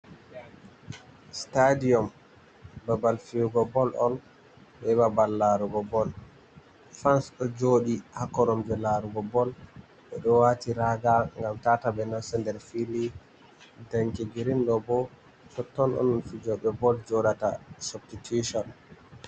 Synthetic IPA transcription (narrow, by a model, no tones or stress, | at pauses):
stadiɔm | babalfiuɡɔbɔlʔɔn | bɛbabalːaɾuɡɔbɔl | fansɗɔd͡ʒoːɗihakɔɾɔmd͡ʒɔlaɾuɡɔbɔl | ɓɛɗɔwaːtiɾaɡaŋɡamtatabɛnansɛndɛɾfili | daŋkɛɡiɾindɔbɔ | t͡ʃɔtːɔnɔ̰nɔnfid͡ʒɔɓɛbɔld͡ʒɔɗata̰sɔptitʰuʃɔn